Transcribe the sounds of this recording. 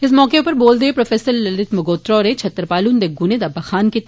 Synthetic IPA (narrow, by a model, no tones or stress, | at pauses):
ɪs̬mɔːkepɐɾboːld̪eepɾɐfeːsəɾlɐlɪt̪mɐɡoːt̪ɾɔːɾẽt͡ʃʰɐt̪ːɾpaːluːnd̪eɡuːned̪ɐbːaxaːnkit̪